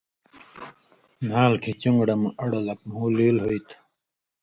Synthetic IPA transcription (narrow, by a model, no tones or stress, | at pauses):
naːlkʰet͡ɕuŋɡɽɐmɐɽɐlɐk̚muːleːlɦoit̪ʰ